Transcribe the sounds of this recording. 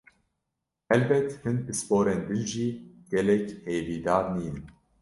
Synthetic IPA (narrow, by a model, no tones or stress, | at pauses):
hɛlbɛt̪hɨnpɨspoːɾɛnd̪ɨnʒiːɡ̥ɛlɛcheːviːd̪aːɾniːnɨm